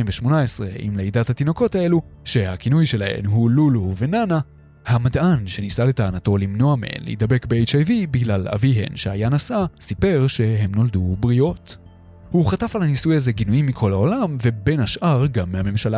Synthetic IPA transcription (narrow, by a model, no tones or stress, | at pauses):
imveʃmo̞nae̞sʁe̞̰ʔḭmleidathat̪ino̞ko̞thae̞lu | ʃe̞hakinujʃe̞lahe̞̰nɦululuve̞nana | hamadʔanʃe̞nisale̞taːnato̞limno̞amḛḛnlḛid̪abe̞kbeejt͡ʃajvibiɡlala̰viɦe̞̰nʃeajanasasipe̞ʁʃe̞ɦe̞mno̞ldubʁio̞t | huχatafalhanisujazeɡinuimːikʰo̞lao̞lamve̞be̞nhaʃʔaʁɡamːehame̞mʃala